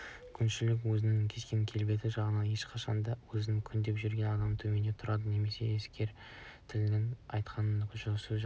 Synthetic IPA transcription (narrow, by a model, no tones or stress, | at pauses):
kʲʰʏnʃɪlɪkwɵzɪnɪŋkʲʰe̞skʲe̞ŋkʲʰe̞lbe̞t̪ɪʒɑʁənɑnje̞ʃqʰɑʃɑnd̪ɑwɵzɪnɪŋkʲʰʏnd̪e̞pʒʏɾɡʲe̞nɑd̪ɑmt̪ʰɵme̞net̪ʰʊɾɑd̪əne̞me̞se̞̰eskʲe̞ɾ | t̪ʰɪlnɪnɑjt̪qʰɑnənʃsɪʒ